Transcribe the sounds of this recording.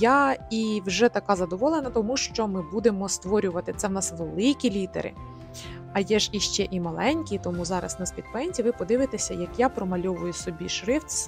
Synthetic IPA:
jaiwʒɛt̪ɐkɑzɐd̪ɔʋɔlˠenɐt̪ɔmuʃt͡ʃɔmɪbud̪e̞mɔst̪ʋɔɾʲʊʋɐt̪ɪt̪sɛwnɑsʋelˠɪkʲilʲit̪ḛɾɪ̰ | ɐjɛʒiʃt͡ʃɛʔimɐlˠɛnʲkʲit̪ɔmuzɑɾɐ̰snɐsʲpʲid̪̚pɛnʲzʲiʋɪpɔd̪ɪʋɪt̪esʲɐjɐkjapɾɔmɐlʲɔʋʊjʊsɔbʲiʃɾɪfʲ

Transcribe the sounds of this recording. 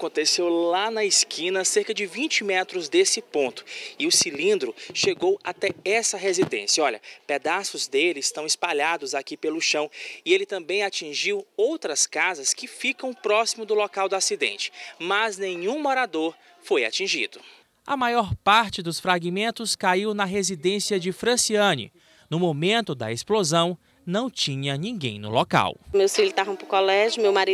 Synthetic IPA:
akõt̪esewlanɐɪskʰĩnɐseɾkɐd͡ʒɪvĩt͡ʃɪmɛt̪ɾʊzd̪esɪpõnt̪ʊ̥ɪʊsilĩnd̪ɾʊʃeɡowat̪ɛɛsɐɦezid̪ḛ̃sijɐɔʎɐ̰ped̪asʊzd̪elɪɪst̪ɐ̃w̃ɪspaʎad̪ʊzakipelʊʃɐ̃w̃ɪelɪt̪ɐ̃bẽj̃at͡ʃĩʒiwowt̪ɾɐskazɐskɪfikɐ̃w̃pɾɔsimʊd̪ʊlɔkawd̪ʊasid̪ḛ̃nt͡ʃɪ̥mɐznẽɲũmoɾad̪oɾ | foja̰t͡ʃĩʒḭd̪ʊ | ɐ̰majɔɾpaɾt͡ʃɪd̪ʊsfɾaɡimẽnt̪ʊskaiwnɐɦezid̪ẽsiɐd͡ʒɪfɾɐ̃siɐ̃nɪ̰ | nʊmomẽnt̪ʊd̪ɐ̰esplozɐ̃w̃ | nɐ̃w̃t͡ʃĩɲɐnĩɡẽj̃nʊ̰lɔka̰wmewsfilʊt̪avɐ̃w̃pɾʊkɔlɛʒʊmewmaɾi

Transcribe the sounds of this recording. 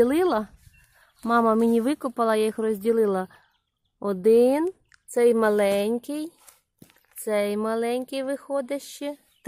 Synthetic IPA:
ilˠɪlˠɐ | mɑmɐmɪnʲiʋɪkʊpɐlˠɐjajixrɔzʲdʲilˠɪlˠɐ | ɔd̪ɪn | t̪sɛjmɐlˠɛnʲkɪj | t̪sɛjmɐlˠɛnʲkɪjʋɪxɔd̪ʲɐʃt͡ʃɪ | t̪

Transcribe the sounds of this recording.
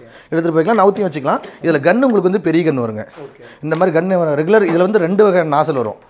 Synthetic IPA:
ɛɽɯt̪ːɯɾɯp̬oːjkːlãːnɐʋʊt̪ːijɐ̃ʋɐt͡ʃːɯkːɐlãːɪðɪlɐɡɐɳːɯʊŋɡɐɭɯkːɯʋɐnd̪ɯpɛɾɪjɐɡɐɳːɯʋɐɾɯŋɡɐɪnd̪ɐmaːd̪ɾiɡɐɳːeʋɐɾɯɐɾɛɡɯlɐɾɪðɪlʋɐnd̪ɯɾɛɳɖɯʋɐɣɐnɐnaːsɐlʋɐɾõ̰ː

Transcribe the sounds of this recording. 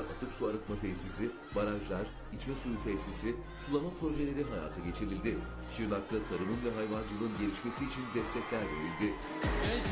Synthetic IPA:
ɾa̰t̪ʰɯksuaɾɯk̪map̪ʰejsisɪ | baɾaʒlʲˠæɾ̥ | it͡ʃmɛsujut̪ʰesisi | sulˠamapɾo̞ʒe̞lʲe̞ɾiɦaja̰ːt̪ʰaɟe̞t͡ʃʰiɾilʲd̪ɪ | ʃiɾlˠak̚t̪ʰat̪ʰaɾɯmɯnvɛɦajvand͡ʒɯlˠɯɯnɟe̞ɾʲiʃme̞siːt͡ʃʰind̪ɛst̪ʰɛclʲæɾve̞ɾilʲd̪ɪ

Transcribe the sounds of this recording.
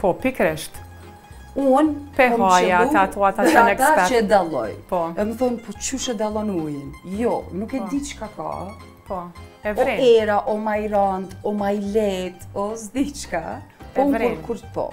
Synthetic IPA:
pɔpikɾɛʃt̪ | unpɛɔɦaɛjauat̪uat̪aɛnɛkt̪aɛɾt͡ʃɛd̪alˠɔ̰jpɔɛməθɔnpɔt͡ʃuʃɛd̪alˠɔnujinjɔnukɛd̪it͡ʃkaka̰ | pɔɛvɾɛɛɾaʔɔmajɾant̪ɔmajlɛt̪ɔsd̪it͡ʃkapɔkɾɔɾkuɾt̪pɔ̰

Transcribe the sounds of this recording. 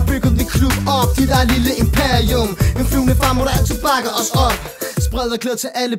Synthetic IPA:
b̥yɡ̥ð̩ˠdekʰlub̥ɒb̥̚d̥id̥æɐliləe̝mpʰeɐiɔmenfluːnəfʁämoɾæt͡sʰeb̥ɑ̈ɡ̥ɐɒsɒb̥ | sb̥ʁɛðˠɐkʰleð̰ɐt͡sʰe̝lʔælə

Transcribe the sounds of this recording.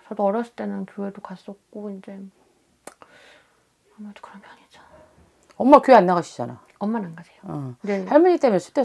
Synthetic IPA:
t͡ɕʌdoʌɾjʌs͈ɯ̥t͈e̞nɯnkjoedokas͈ʌk̚k͈oind͡ʑe̞ | ʌmado̥kɯɾʌmʌaɲid͡ʑḁ | ʌmːakjoeanːaɣaɕʰi̥d͡ʑa̰na̰ | ʌmːananɡad͡ʑejoʌne̞haɭmuɲit͈emjʌnsʰu̥t͈e

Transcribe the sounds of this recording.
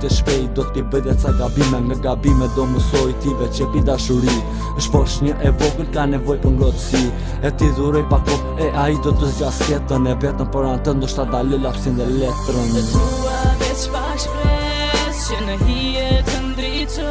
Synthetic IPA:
t̪əʃpɛjd̪ɔt̪t̪ibəjðɛsaɡabimɛŋɡaɡabimɛd̪ɔməsɔjt̪ivɛt͡ʃɛpid̪aʃuɾi | əʃpɔʃɲəʔɛvɔkəlkanɛvɔjpəɾŋɡɾɔt̪əsi | ɛt̪iðuɾɔjpakɔ | ɛaid̪ɔt̪əzd͡ʒaskɛt̪ənɛvɛt̪ənpɔɾant̪ənd̪ɔʃt̪ad̪alɔlafsind̪ɛlɛt̪ɾən | avɛ | paʃpɛ | sjənəɦi | ɛt̪ənd̪ɾit

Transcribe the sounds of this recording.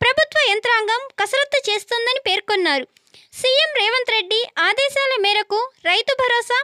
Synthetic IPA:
pɾɐbʱut̪ʋɐjɐnt̪ɾaːŋɡɐmkɐsɐɾɐt̪ːɐt͡ʃe̞ːst̪ond̪ɐnipe̞ːɾkonːaːɾu | siːemɾɛːʋɐnt̪ɾe̞ɖːiaːd̪ɛːʃaːlɐmiːɾɐkuɾɐjt̪ubʱɐɾɔːsa

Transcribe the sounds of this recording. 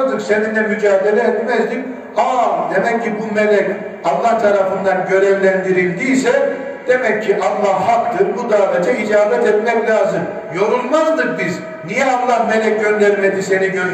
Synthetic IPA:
d̪ɯkseninɛmyd͡ʒaːɦd̪elʲɛːt̪mɛzd̪ik | aːd̪e̞mɛcʰːibumelʲɛc | alˠːaht̪ʰaɾafɯnd̪anɟø̞ɾɛvlʲænd̪iɾilʲd̪iːs̬ɛ | d̪̥e̞mɛcʰːiʔalˠːahhakt̪ɯɾbud̪aːvɛd͡ʒɛid͡ʒaːbɛt̪ɛt̪mɛclʲaːzɯm | jo̞ɾulˠmazd̪ɯk̚biz | nijɛalˠːahme̞lʲɛc̚ɟønd̪ɛɾmed̪ise̞niɟø

